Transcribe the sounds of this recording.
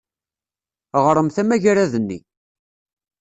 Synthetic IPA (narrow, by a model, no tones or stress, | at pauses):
ʁɾˤəmθæmæʝaɾæðənːḭ